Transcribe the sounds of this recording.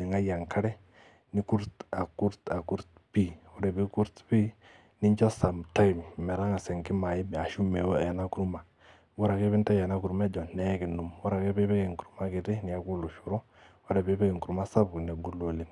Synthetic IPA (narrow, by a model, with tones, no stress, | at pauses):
i˨ŋa˦ja˨ŋkʰa˦ɾɛ˦ | ni˦ku˦ɾta˨ku˦ɾta˨ku˦ɾt̚ | pi˦wo˦de˨bi˦ku˦ɾtpi˦ | ni˦t͡ʃo˦sa˨mta˦jmmɛ˨ɾa˦ŋa˨sɛ˨ŋki˦ma˨ji˦ba˨ʃu˦me˨wja˨na˦ku˦ɾu˦ma˨ | wo˦ɾa˨ke˦bi˦nta˦ja˨na˦ku˨ɾu˦me˦d͡ʒɔ˨ne˨˦ki˨nu˨mwa˦ɾa˨ke˦be˦be˦ke˨ŋku˨ɾu˦ma˦ki˨ti˦ni˨ja˨ku˦lu˨ʃu˨ɾo˦ | wo˦ɾe˨be˦be˦ke˨ŋku˨ɾu˨˦ma˦sa˦bn˨e˨ɡu˦lo˨li˨n